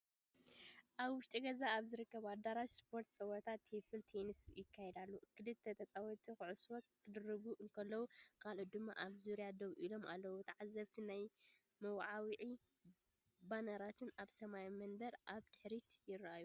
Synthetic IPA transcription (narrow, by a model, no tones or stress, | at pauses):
ʔaβwʊʃt̪ʼiɡɐzaːβzɨɾɨkːɐβad̪aɾaʃspʰo̞ɾt̪sʼɐwɐt̪ʰat̪ʰːepʰɨlt̪ʰenisjɪkʰːajɛd̪alːuɨkʰːɨlɨd̪̚t̪ʰɐt̪ʰɐt͡sʼawɔt̪ʰixɨʕuswɔkkːɨd̪ɨɾɨβuʔɨŋkʰɐlːɐwukʰalot̪̚d̪ɨmːa̰ʔaβzuɾijad̪ɐβʔilo̞ma̰lːɐwut̪ʰɐʕazːɐβt̪ʰinaj | mɐwʕawiʕi | banɐɾat̪ʰɨnaβsɐmajamɐnbɐɾʔaβd̪ɨħɾit̪jɪɾaju